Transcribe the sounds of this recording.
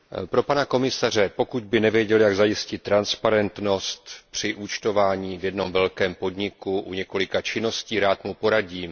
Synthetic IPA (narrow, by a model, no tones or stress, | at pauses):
pɾo̞panako̞mɪsar̝ɛpo̞kud̪bɪnɛvjɛɟɛljaɡzajɪscɪt̪ːɾanspaɾɛnt̪no̞st̪pr̝̥ɪʔut͡ʃt̪o̞vaːɲiːvjɛdno̞mvɛlkɛːmpo̞d̪ɲɪkuʔṵɲɛko̞lɪkat͡ʃɪno̞sciːɾaːt̪mupo̞ɾaɟiːm